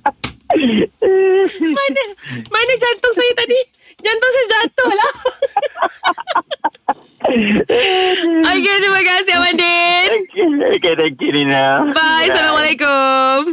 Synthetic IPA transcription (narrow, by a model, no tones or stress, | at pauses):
manəmanəd͡ʒant̪ʊŋsajat̪adi | d͡ʒant̪ʊŋs̬ad͡ʒat̪ʊhla | oket̪ɾimakasiawandenoket̪ɛŋkuninabajsalamalekʊm